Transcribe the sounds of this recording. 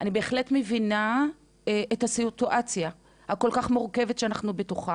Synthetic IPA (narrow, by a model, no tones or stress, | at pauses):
ʔanibeːχle̞tmevina | ethasituʔat͡sja | hako̞lkaχmoʁke̞vetʃeanaχnubetuχa